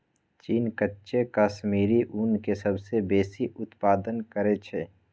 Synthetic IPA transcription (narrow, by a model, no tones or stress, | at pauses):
t͡ʃiːnkətːʃekaːʃmiːɾiʔunkesəbsebeːsiʔʊt̪paːd̪ənkəɾet͡ʃʰe